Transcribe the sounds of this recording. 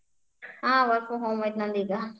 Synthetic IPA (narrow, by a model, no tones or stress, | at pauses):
ɦãːʋɐɾfoɦõːmɪt̪nad̪iːɡaː